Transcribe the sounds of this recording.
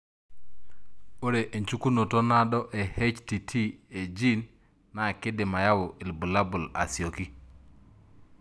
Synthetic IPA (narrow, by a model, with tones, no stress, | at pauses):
o˦ɾe˨ʔe˨ɲt͡ʃu˦ku˦no˨to˦na˦dɔ˦ʔe˨he˦t͡ʃti˨tʰi˦e˨d͡ʒi˦n | na˨kɪ˦de˨ma˨ja˦wʊ˨ʔɪ˨lbu˨la˦bu˨la̰˨sjo˨ki˦